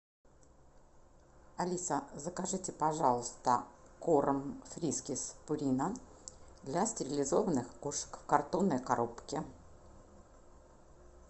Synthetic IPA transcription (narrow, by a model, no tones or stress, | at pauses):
ɐlʲisəzəkɐʐɨtʲɪpɐʐɑlˠəst̪ə̰koɾəmfɾʲiskʲɪspʊɾʲinə | d̪lʲasʲtʲɪɾʲɪlʲɪzo̞vənɨxkuʂə̥kfkɐrt̪onːəjkɐɾo̞pkʲɪ